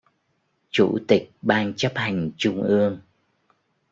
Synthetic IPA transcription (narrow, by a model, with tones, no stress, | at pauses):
t͡ɕṵ˧˩t̪i˨˩k̚ɓaː˧ŋt͡ɕə˦˥p̚ha˨˩jŋ̟t͡ɕʊ˧ŋ͡mʔɨ˧əŋ